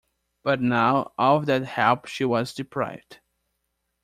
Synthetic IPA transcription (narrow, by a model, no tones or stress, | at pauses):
b̥ʌtⁿnaʊʔɔvðæt̚hɛlpʃiwʌzdɨpʰɹa̰ɪvd̥